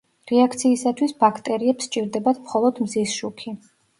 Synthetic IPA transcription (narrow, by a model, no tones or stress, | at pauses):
ɾɛakʰt̪sʰiːsat̪ʰwisbakʰt̪ʼɛɾiɛpst͡ʃʼiɾd̪ɛbat̪ʰmχɔlˠɔd̪mzisʃukʰi